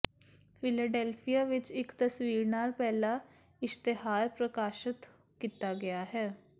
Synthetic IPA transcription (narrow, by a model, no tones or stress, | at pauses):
pʰɪlaːɖɛːlpʰijaːʋɪt͡ʃɪkt̪əsʋiːɾnaːlpɛːlaː | ɪst̪eɦaːɾpɾəkaːʃət̪ | kiːt̪aːɡɪaːɦɛː